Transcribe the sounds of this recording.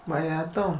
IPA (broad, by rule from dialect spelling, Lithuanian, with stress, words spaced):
ʋɐˈjæːtɐʊ